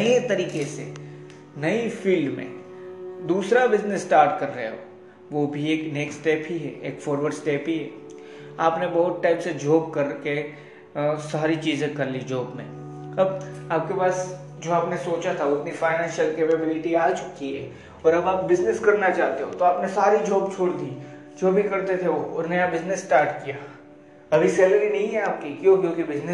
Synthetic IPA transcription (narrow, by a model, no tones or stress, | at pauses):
et̪ɐɾiːkesḛ | nɐifiːlɖmḛ̃ː | d̪uːsɾabɪznɪsːʈaːɾʈkɐɾːɐɦḛɦo̰ː | ʋobʱieːkneːksʈeːpɦiɦɛ̰ːeːkfɔːɾʋəɾɖsʈeːpɦiɦɛː | aːpnebɐɦʊt̪̚ʈaːɪpsed͡ʒoːpkɐɾke | saːɾit͡ʃiːzẽkɐɾlid͡ʒoːpmḛ̃ | ɐbaːp̚kepaːs | d͡ʒoːaːpnesoːt͡ʃat̪ʰaʊt̪nifaːɪnɛ̃ːnʃəlkeːpɛbɪlɪʈiaːt͡ʃʊ̥kiɦɛː | ɔːɾɐbaːp̚bɪznɪskɐɾnat͡ʃaːɦt̪eɦo̰t̪oaːpnesaːɾid͡ʒɔːbt͡ʃʰoːɽd̪iː | d͡ʒoːbʱikɐɾt̪et̪ʰeʋoʊɾnɐjabɪznɪsːʈaːɾʈkijaː | ɐbʱisɛːləɾinɐɦĩɦɛaːp̚kikjõkjõːkibɪznɪ